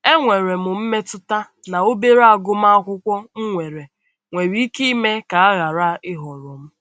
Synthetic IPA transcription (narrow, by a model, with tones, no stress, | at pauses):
e˦ŋʷe˨ɾe˨mʊ˨m̩˦me˦tʊ˦ta˦ | na˨o˦be˦ɾa˦˨ɡʊ˦m̩˦a˦a˦kʷʊ˦kʷɔ˦ŋ̩˦ŋʷe˨ɾe˨ | ŋʷe˨ɾi˦ki˦me˦ka˨a˦ɣa˨ɾa˦ʔɪ˦ɦɔ˨ɾɔ˨m̩˦